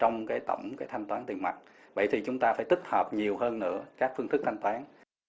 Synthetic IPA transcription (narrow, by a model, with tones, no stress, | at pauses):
t͡ɕɔ˧wŋ͡mkaː˨˦jt̪ə̰˧˩wŋ͡mkaː˨˦jt̪ʰa˧jŋ̟t̪waː˨˦nt̪i˨˩ŋma̰˨˩t̚ | ɓə̰˧˩jt̪ʰi˨˩t͡ɕʊ˨˦ŋ͡mt̪aː˧faː˧˩jt̪ï˦˥k̟̚həː˨˩p̚ɲi˨˩əwɦəː˧nːɨ̰˧˥əkaː˦˥k̚fɨ˧əŋt̪ɨ˦˥k̚t̪ʰa˧ŋ̟t̪waː˨˦n